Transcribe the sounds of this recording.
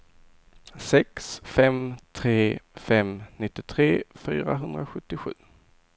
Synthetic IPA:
sɛksfɛmt̪ʰɾeːfɛmnɪt̪ːɪt̪ʰɾeːfyːɾa̰ɦɵnd̪ɾaɧɵt̪ːɪɧʉ̟̰ː

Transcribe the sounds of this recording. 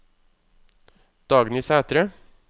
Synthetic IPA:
d̪̥ɑːɡnɪːsæːt̪ɾə

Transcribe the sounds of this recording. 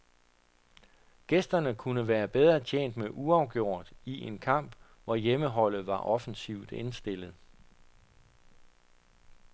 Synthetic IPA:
ɡ̥esd̥ɐnəkʰunəʋæːɐb̥eð̞ˠʁɐt͡ɕʰḛːn̰d̥meʔuɑ̈ʊɡ̥jo̝̰ɐ̰d̥iʔe̝nkʰɑ̈m̰b̥ | ʋɒjeməɦɒ̽l̰ð̩ˠʋɑ̈ʔɒ̽fən̩siʊd̥e̝nsd̥e̝l̰ð̞̩ˠ

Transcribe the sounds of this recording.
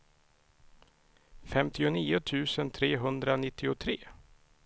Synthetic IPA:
fɛmt̪ɪʊniːʊt̪ʰʉ̟ːsənt̪ʰɾeːɦɵnd̪ɾanɪt̪ːɪʊt̪ʰɾeː

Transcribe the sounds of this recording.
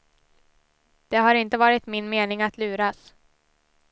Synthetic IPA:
d̪̥ɛɦaɾɪnt̪əvɑːɾɪt̪mɪnmeːnɪŋat̪ʰlʉ̟ːɾas

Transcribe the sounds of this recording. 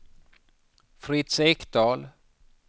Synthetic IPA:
fɾɪt̪sɛkd̪ɑːl

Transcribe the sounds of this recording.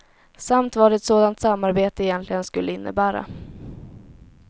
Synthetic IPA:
samt̪vɑːɖɛɛt̪soːd̪ant̪samːaɾbeːt̪əɪjɛnt̪lɪɡənskɵlːəɪnːə̰bæːɾa̰

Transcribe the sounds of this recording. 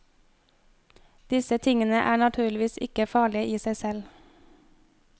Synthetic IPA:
d̪̥ɪsət̪ʰɪŋənəʔæ̰ːɳɑt̪ʰʉːɭɪʋiːsɪkəfɑːɭɪəʔiːsæɪsɛl

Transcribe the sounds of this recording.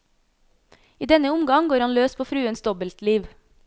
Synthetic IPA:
iːd̪ɛnəʊmɡɑŋɡoːɾhɑnløːspʰoːfɾʉːənsd̪ɔbəlt̪liːʋ

